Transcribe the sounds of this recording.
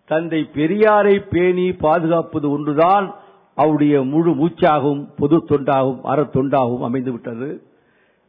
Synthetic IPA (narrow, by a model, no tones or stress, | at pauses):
t̪ɐnd̪ɐɪpɛɾɪjaːɾɐɪpːeːnipaːðɯɣaːpɐðɯɔndrɯðaːn | ʔɐʋɯɽɐjɐmʊɻɯmuːt͡ʃːaːɣɐɯmpɔðɯt̪ːɔɳɖaːɣɯmʔɐ̰ɾɐt̪ːɔɳɖaːɣɯmɐ̰mɐɪnd̪ɯʋɪʈːɐðɯ